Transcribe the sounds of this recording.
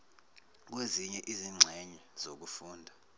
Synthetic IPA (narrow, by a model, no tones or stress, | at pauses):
k̬weziɲɛʔiziŋ͡ǁʱɛɲɛz̥ok̬ufuːndʱa